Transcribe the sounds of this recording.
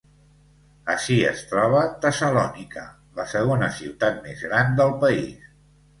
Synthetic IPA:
əʃiə̰st̪ɾɔβ̞ət̪əsəlɔnikə | ləsəɣ̞onəsiwt̪at̪̚mḛzɣɾand̪əlˠpəḭs

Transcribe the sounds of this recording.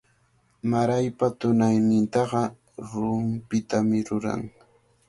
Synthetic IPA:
maɾajpat̪ʊnajnɪnt̪ɑɢɑ | ɾʊmpɪt̪amɪɾʊɾa̰ŋ

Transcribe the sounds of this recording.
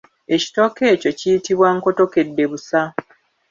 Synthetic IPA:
e̞ci̥to̞ke̞ːco̞cijitiβwaŋko̞to̞ke̞dːe̞βusa

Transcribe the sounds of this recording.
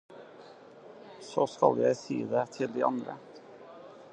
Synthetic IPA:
soːskɑljæɪsḭːd̪eːt̪ʰɪld̪iːʔɑnd̪ɾə̰

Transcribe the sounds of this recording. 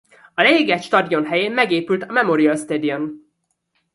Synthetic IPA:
ɒlɛjiɡɛt̪ʃt̪ɒd̪io̞nɦɛjeːmmɛɡeːpylt̪ɒmɛmoɾijɒøst̪eːd̪iɛn

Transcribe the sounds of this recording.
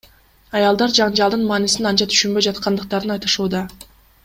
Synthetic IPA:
ɑjɑlˠd̪ɑɾd͡ʒɑɴd͡ʒɑlˠd̪ɯnmɑːnisinɑnt͡ʃɑt̪ʰy̥ʃynbø̞jd͡ʒɑt̪qʰɑnd̪ɯq̚t̪ɑɾɯnɑjt̪ɯʃuːd̪ɑ

